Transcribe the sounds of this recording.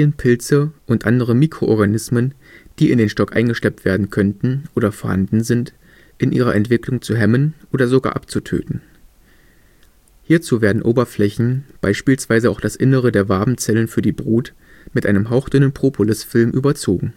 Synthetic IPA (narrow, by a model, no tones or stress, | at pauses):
ənpʰɪlt͡səʔʊntʔandəʁəmiːkʁ̥oʔɔɐɡanɪsmən | d̥iːɪndeːnʃtɔkʔa̰ɪnɡəʃlɛp̚tv̥eːɐdn̩kʰœntn̩ʔoːdɐfoɐha̰ndn̩zɪnt | ʔɪnʔḭːʁɐʔɛntv̥ɪklʊŋt͡suɦɛmənʔoːdɐzoɡa̰ːʔa̰p̚t͡sutʰø̰ːtn̩ | hiːɐt͡suːveːɐdn̩ʔoːbɐflɛçn̩b̥a̰ɪʃpiːlsv̥aɪzəaʊxd̥asʔɪnəʁ̞ədeːɐvaɐbm̩t͡sɛlənfyːɐdiːbʁuːt | mɪtʔa̰ɪnəmɦaʊxd̥ʏnənpʁ̥oːpʰolɪsfɪlmʔyːbɐt͡soːɡŋ̩